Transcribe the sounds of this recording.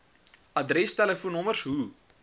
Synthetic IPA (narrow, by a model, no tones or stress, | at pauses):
ɐdrɛstɛləfunɔmərsɦu